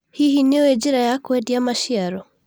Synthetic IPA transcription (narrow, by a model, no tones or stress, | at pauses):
hiɦiniɔɛd͡ʒiɾajakwɛdiamaʃiaɾɔ